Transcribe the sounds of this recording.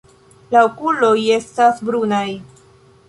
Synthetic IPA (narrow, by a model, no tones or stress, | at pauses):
laokulo̞je̞stasbɾunaj